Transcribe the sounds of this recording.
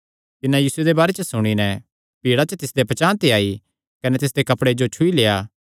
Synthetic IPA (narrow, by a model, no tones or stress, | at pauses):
t̪ɪnãjiːsʊed̪ebaːɾet͡ʃəsʊɽ̃inɛ | piːɽat͡ʃət̪ɪsd̪epɐt͡ʃãːt̪eaːi | kɐnɛt̪ɪs̬d̪ekɐpɽed͡ʒot͡ʃʰʊileːaː